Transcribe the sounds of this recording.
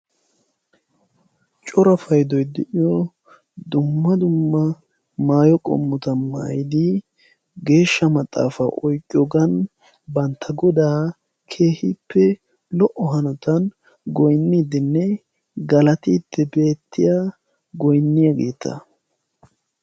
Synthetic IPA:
t͡ʃʼɔɾɐfɐjd̪ɔjd̪ɪʔɪjɔ | d̪ʊmːɐd̪ʊmːɐ | maːjɔkʼɔ̰mːɔt̪ɐma̰ːjɪd̪ɪ | ɡe̞ːʃːɐmɐt̪ʼːa̰ːfɐ̰ʔɔjkʼːjɔɡɐn | bɐnt̪ʰːɐɡɔd̪aː | kʰe̞ːhɪpːɛ | lɔʔɔɦɐnɔt̪ɐn | ɡɔjnːiːd̪ɪnːɛ | ɡɐlɐt̪iːt̪ːɛbe̞ːt̪ːɪja | ɡɔjnːɪjɐɡḛːt̪ʰːɐ̰

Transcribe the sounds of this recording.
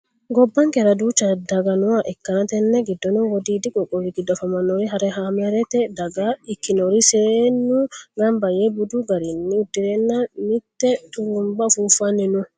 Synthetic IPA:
ɡɔbːɐŋkɛɾɐd̪ut͡ʃːɐd̪ɐɡɐnʊaʔɛkːɐnɐt̪ɛnːɛɡɪd̪ːɔnɔwɔd̪iːd̪ɪkʼɔkʼɔɾiɡɪd̪ːɔfɐmɐnːɔɾiɦɐɾɛhamɛɾɛt̪ɛd̪ɐɡaɪkːɪnoɾisɪɾeːnːʊɡɐmbɐjɛbʊd̪uɡɐɾinːɪʊd̪ːɪɾɛnːamɪt̪ːɛt̪ʼʊɾumbɐfuːfɐnːɛnʊ

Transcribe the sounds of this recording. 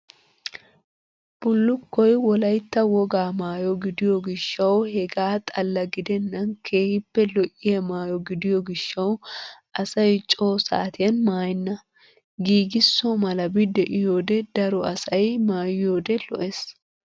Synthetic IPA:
b̥ʊlːʊkːɔjwɔlɐjt̪ːɐwɔɡaːmaːjɔɡɪd̪ɪjɔɡɪʃːɐwhɛɡaːt̪ʼɐlːɐɡɪd̪ɛnːɐnkʰe̞ːhɪpːɛlɔʔːɪjɐmaːjɔɡɪd̪ɪjɔɡɪʃːɐwʔɐsɐjt͡ʃʼo̞ːsa̰ːt̪ɪjɐnmaːjɪnːɐ | ɡiːɡɪsːomɐlɐbɪd̪ɛʔɪjoːd̪ɛd̪ɐɾɔɐsɐjmaːjɪjoːd̪ɛlɔ̰ʔes

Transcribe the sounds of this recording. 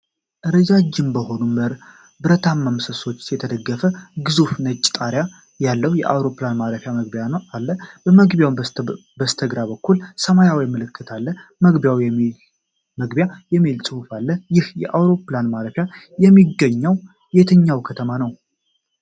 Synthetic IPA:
ʔɨɾəd͡ʒad͡ʒːɪmbəho̞numəɾ | bɨɾət̪ʰamːamsəso̞t͡ʃːjɛt̪ʰəd̪əɡːəfəɡɨzufnət͡ʃʼːt̪ʼaɾja | jalːəhujɛʔa̰wɾo̞planmaɾəfjaməɡbjaalːəbəməɡbjaw | bəst̪ʰəɡɾaβəkːulsəmajawjmɨlɨkʰːɨt̪ʰalːəməɡbjawjɛmi | məɡbjajɛmːilsʼɨhufalːəjɪhjɛ̰ʔawɾo̞planmaɾəfja | jɛmːiɡːəɲːəw | jet̪ʰəɲːawkʰət̪ʰəmanəw

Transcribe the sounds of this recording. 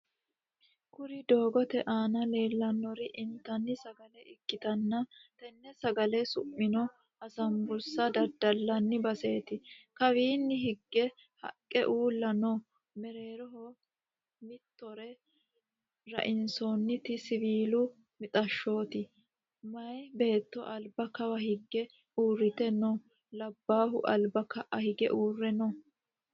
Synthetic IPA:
kʊɾɪd̪o̞ːɡɔt̪ɛʔaːnɐle̞ːlːɐnːɔɾɪʔɪnt̪ːɐnːɪsɐɡɐlɛɪkːɪt̪ɐnːɐt̪ɛnːɛsɐɡɐlɛsʊ̰mːɪnɔ | ɐsɐmbʊɾsɐd̪ɐɾd̪ɐlːɐnːɪbɐse̞ːt̪ɪkɐwiːnːɪhɪɡːɛ | hɐ̰kʼːɛʔuːlːɐnɔ | mɛɾe̞ːɾɔɦɔ | mɪt̪ːɔɾɛ | ɾɐ̰ʔɪnsonːɪt̪ɪsɪβiːlʊ | mɪt̪ʼɐʃːo̞ːt̪ɪ | mɐjbe̞ːt̪ːɔʔɐlbɐkɐwɐhɪɡːɛ | uːrːɪt̪ɛnɔ | lɐbːaːɦʊ̰ʔɐlbɐkɐʔɐhɪɡɛ̰ʔuːrːɛnɔ

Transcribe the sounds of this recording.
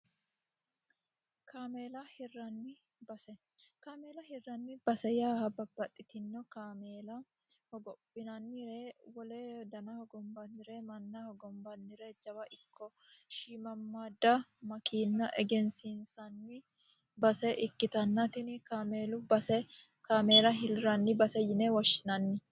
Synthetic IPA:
kʰaːmeːlɐhɪrːɐnːɪ | bɐsɛ | kaːmeːlɐhɪrːɐnːɪb̥ɐsɛjaːhɐbɐbːɐt̪ʼːɪt̪ɪnːɔkaːmeːlɐ | hɔɡɔpʼːɪnɐnːɪɾewɔleːd̪ɐnɐhɔɡɔmbɐnːɪɾɛmɐnːɐhɔɡɔmbɐnːɪɾɛd͡ʒɐwɐʔɪkʰːɔ | ʃiːmɐmːaːd̪ɐmɐkiːnːɐʔɛɡɛnsinsɐnːɪ | bɐsɛʔɪkːɪt̪ɐnːɐt̪ɪnkaːmeːlʊbɐsɛ | kaːme̞ːlɐɦɪlɾɐnːɪbɐsɛjɪnɛwɔʃːɪnɐnːɪ

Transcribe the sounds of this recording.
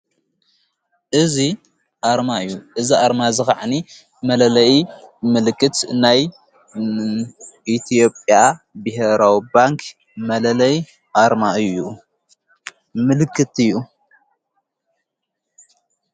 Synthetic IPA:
ʔɨzi | ʔaɾmaɨjːuʔɨziʔaɾmazɨxaʕni | mɐlɐlɐmɨlɨkːɨt̪naj | ʔit̪ʰijo̞pʼja | bɨɦeɾawibaŋkʰ | mɐlɐlɐj | ʔaɾmaɨju | mɨlɨkʰːɨt̪ɨjːu

